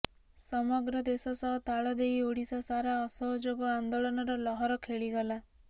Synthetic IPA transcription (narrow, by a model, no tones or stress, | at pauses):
sɔmɔɡɾɔd̪esɔsɔɦɔt̪aɭɔd̪ejoɽisasaɾaɔsɔɦɔd͡ʒoɡɔand̪oɭɔnɔɾɔlɔɦɔɾɔkʰeɭiɡɔla